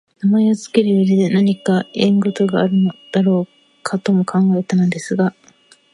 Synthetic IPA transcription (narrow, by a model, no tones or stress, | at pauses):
namaeozɨ̥ke̞ɾɯjoɾid̪enaɲ̟ikaẽŋɡo̞t̪o̞ɡaːɾɯ̟nod̪̥aɾo̞ː | kʰat̪o̞mo̞kʰãŋɡae̞t̪anand̪e̞sɨɡa